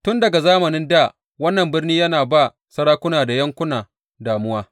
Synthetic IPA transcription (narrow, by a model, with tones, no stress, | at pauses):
tʊ˦ndɐ˨ɡa˨zaː˦mɐ˨nɪ˦nda˦˨ | wɐ˦nːɐ˨mbɪ˦rniː˦jɐ˦naː˨ba˦˨ | sɐ˦ɽaː˦kʷʊ˦naː˨da˨jɐ˦ŋkʷʊ˦naː˨ | daː˨mʊ˦waː˦